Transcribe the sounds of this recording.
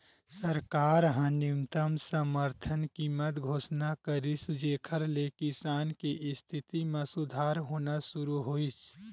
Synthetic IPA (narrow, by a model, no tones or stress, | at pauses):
səɾkaːɾɦãnɪmt̪əmsəməɾt̪ʰənkiːmət̪ɡʱoːsnakəɾisud͡ʒeːkʰəɾlekisaːnkiʔɪst̪ʰɪt̪imẽsʊd̪ʱaːɾɦoːnasʊɾuɦoːit͡ʃʰ